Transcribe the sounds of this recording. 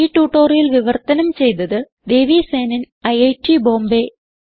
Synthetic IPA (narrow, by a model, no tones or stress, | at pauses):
iːʈːuːʈːoːrijilʋiʋɐrt̪ɐnɐmt͡ɕe̞jt̪ɐðɨ | d̪e̞ːʋiseːnɐn | ɐjɐjʈːibo̞ːmbe